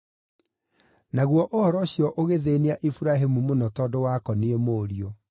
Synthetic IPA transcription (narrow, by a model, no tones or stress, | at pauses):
naɣwɔʔohɔɾɔɕjɔʔoɣeðeneaʔifuɾaɦemumonɔtɔdowakɔniemoɾiɔ